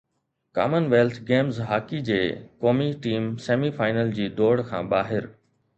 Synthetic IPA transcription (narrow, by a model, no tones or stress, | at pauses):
ka̰ːmənʋeːlt̪ʰɡeːmzɦaːkid͡ʑeːkoːmiʈiːmseːmifaːɪnəld͡ʑiːd̪oːɽkʰã̰ːɓaːɦɪɾ